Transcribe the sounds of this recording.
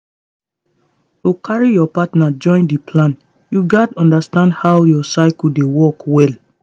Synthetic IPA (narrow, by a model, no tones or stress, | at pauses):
tokʰaɹijɔpatnad͡ʒɔ̃ɪ̃ndipʰlãn | juɡadɔ̃ndastãndhawjɔsaɪkldewɔkwɛl